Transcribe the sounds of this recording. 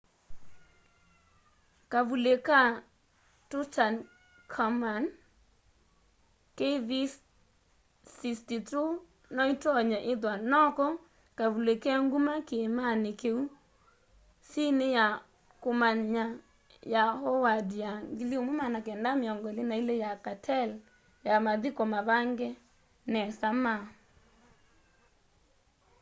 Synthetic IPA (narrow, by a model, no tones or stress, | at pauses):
kavuleka | tʊtan | kʰaman | keðis | sistitu | nɔitɔɲaʔɪt̬wanɔkɔ | kavulekɛŋɡumakɪmanɪkeu | sineja | komaɲa | jahɔwadiaŋɡiliomwemanakɛndameɔŋɡɔlenailejakatʰɛl | jamaðikɔmaβaŋɡɛ | nɛsama